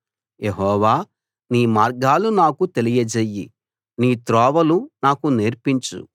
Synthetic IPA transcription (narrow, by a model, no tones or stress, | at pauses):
jeɦɔːʋaː | niːmaːɾɡaːlunaːkut̪e̞lijɐd͡ʒejːḭ | niːt̪ɾɔːʋɐlunaːkuneɾpiɲt͡ʃṵ